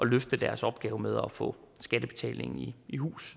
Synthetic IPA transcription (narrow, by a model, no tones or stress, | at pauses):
ʔɒ̽løfd̥əd̥æɐsɒ̽b̥ɡ̥ɛːʊmeð̞ˠɒfɔ̰̽ | sɡ̥æd̥əb̥e̝t͡sʰɛ̰ːle̝ŋn̩iihṵːs